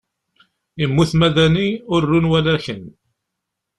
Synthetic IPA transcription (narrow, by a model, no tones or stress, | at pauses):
imːuθmæðæniʊɾːunwælæçən